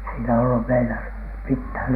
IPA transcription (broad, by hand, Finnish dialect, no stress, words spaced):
siːnæ olːu meilæ mithæˑn